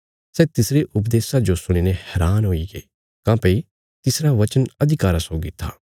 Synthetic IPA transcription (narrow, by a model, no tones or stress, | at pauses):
sɛːt̪ɪsɾeʔʊpd̪eːsad͡ʒosʊɽ̃iːnehɛːɾaːnɦoːiɡḛː | kãːpəi | t̪ɪsɾaʋɐt͡ʃənɐd̪ʱɪkaːɾasoːɡit̪ʰːa̰ː